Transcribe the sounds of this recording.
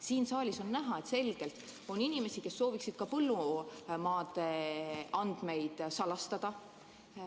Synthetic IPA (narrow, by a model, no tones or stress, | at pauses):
siːnsɑːlʲiso̞nːæɦɑe̞t̪se̞lɡ̥e̞lt̪ˑ | o̞ninime̞sike̞sːo̞ːviksid̪̥̚kɑpɤlːumɑːd̪̥e̞ɑnd̪̥me̞jd̪̥sɑlɑst̪ɑd̪̥ɑ